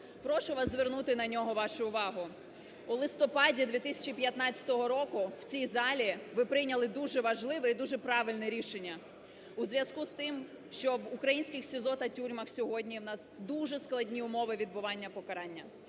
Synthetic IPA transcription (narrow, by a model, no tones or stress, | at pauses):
pɾɔʃʊʋɑzzʋernut̪ɪnɐnʲɔɦɔʋɑʃʊːʋɑɦʊ | ulˠɪst̪ɔpɑdʲid̪ʋʲit̪ɪsʲɐ̥t͡ʃipʲjɐt̪nɑt͡st͡sʲɐ̥t̪ɔɦɔɾɔkʊw̥t͡sʲijzɑlʲiʋɪpɾɪjnʲɐlˠɪd̪uʒɛʋɐʒlˠɪʋɛid̪uʒɛpɾɑʋɪlʲnɛɾʲiʃenʲːɐ | uzʋʲjɐskust̪ɪm | ʃt͡ʃɔʋʊkɾɐjinʲsʲkʲɪxsʲɪzɔt̪ɐtʲuɾʲmɐxsʲɔɦɔdʲnʲiwnɑsd̪uʒɛsklˠɐdʲnʲiʊmɔʋɪʋʲid̪̚bʊʋɑnʲːɐpɔkɐɾɑnʲːɐ